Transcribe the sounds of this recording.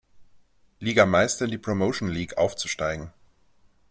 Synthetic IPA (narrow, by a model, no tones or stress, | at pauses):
liːɡɐmaɪstɪndiːpʁ̥omoʊʃn̩liːkʔa̰ʊft͡su̥ʃtaɪɡŋ̩